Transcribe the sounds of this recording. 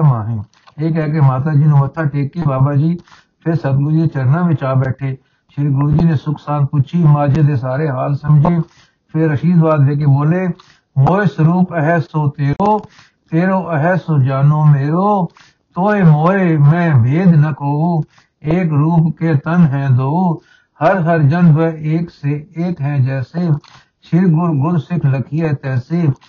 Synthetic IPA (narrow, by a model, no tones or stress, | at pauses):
maːɦẽː | eːkɛːkeːmaːt̪aːd͡ʒiːnũːmət̪ʰːaːʈeːkːeːbaːbaːd͡ʒiː | pʰɪɾsəbɡuːeːt͡ʃəɾnãːʋɪt͡ʃaːbɛːʈʰeː | ʃɪɾɡɾuːd͡ʒiːnẽːsʊksaːnpʊt͡ʃʰiːmaːd͡ʒãːd̪eːsaːɾeːɦaːlsəmd͡ʒeː | pʰɪɾːəʃiːd̪ʋaːd̪ʋeːk̬eːboːleː | moːesɾuːpəɦɛsoːt̪eːoː | t̪eːɾoːʔəɦɛsoːd͡ʒaːnoːmeːɾoː | t̪oːemoːemɛ̃ːbʱeːd̪nəkoːuː | eːkɾuːpkeːt̪ənɦɛ̃ːd̪oːuː | həɾɦəɾd͡ʒənʋɛːkseeːkɦɛ̃ːd͡ʒɛːseː | ʃʰɪɾɡʊɾɡʊɾsɪkʰləkʰiːɛt̪ɛːseː